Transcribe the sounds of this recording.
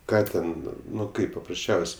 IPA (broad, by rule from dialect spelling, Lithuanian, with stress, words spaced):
ˈkɑː tʲɛn ˈnʊ ˈkɐɪp pɐprɐsʲˈt͡ʃʲɛʊsʲ